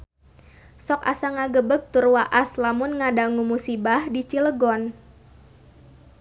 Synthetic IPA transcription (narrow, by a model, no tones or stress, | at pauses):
sɔka̰saŋaɡəbək̚t̪urwaʔaslamʊnŋadaŋumusibahdit͡ʃiləɡɔn